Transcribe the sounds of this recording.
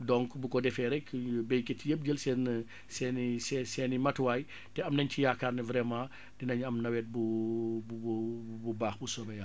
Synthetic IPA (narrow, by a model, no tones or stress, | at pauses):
dɔŋkbukɔdɛfɛɾɛkbɛjketijəp̚d͡ʒəlsɛn | sɛnisɛsɛnimɐtwaj | tɛɐmnɐɲcijakːaːrnivɾɛmãː | dinɐɲɐmnɐwɛːt̚bubuububaːxbusɔbɛja